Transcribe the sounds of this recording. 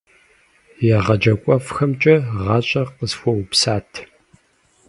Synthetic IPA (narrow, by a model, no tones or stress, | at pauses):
jɛʁɐd͡ʒɐkʷʼɔfxɐmt͡ʃʼɐʁɑːɕʼɐqəzxʷɔwpsaːtʰ